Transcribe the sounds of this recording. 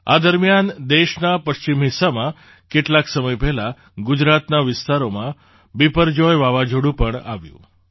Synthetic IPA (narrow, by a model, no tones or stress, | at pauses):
a̰d̪əɾmjand̪eʃnapəʃt͡ɕimɦisamã | keʈlaksəməjpɛɦla | ɡʊd͡ʒɾat̪naʋɪst̪aɾomã | bipəɾd͡ʒɔjʋaʋad͡ʒoɽũpəɳa̰ʋjṵ̃